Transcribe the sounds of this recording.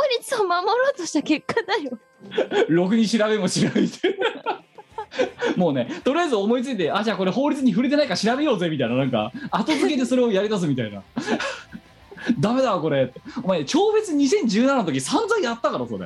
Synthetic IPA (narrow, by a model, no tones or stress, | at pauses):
oɾʲit͡sɨomamo̞ɾoːt̪oɕt̪ake̞kːad̪ajo | ɾo̞k̬ɯ̟ɲ̟iɕiɾaβe̞moɕiɾabet̪ | mo̞ːne̞t̪o̞ɾʲijajizɨo̞mo̞it͡sɨit̪eʔaʑaːko̞ɾe̞ɦo̞ːɾʲit͡sɨɲ̟iɸɯɾit̪e̞naikaɕiɾabe̞jo̞ːze̞mʲit̪ainanãŋka̰at̪o̞zɨke̞t̪̬e̞so̞ɾe̞o̞jaɾʲid̪as̬ɨmʲit̪aina̰ | d̪ame̞d̪aoko̞ɾe̞t̪ːeomaiet͡ɕo̞ːbe̞t͡sɨɲ̟isẽ̞ɲ̟d͡ʑɨːnananot̪okʲisãnzãĩjat̪ːakaɾaso̞ɾḛ